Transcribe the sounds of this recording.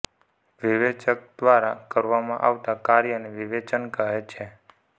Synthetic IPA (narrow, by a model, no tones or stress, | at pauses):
ʋiʋet͡ʃək̚d̪̥ʋaɾakəɾʋamãʔa̰ʋt̪akaɾjəneʋiʋet͡ʃənkəɦet͡ʃʰe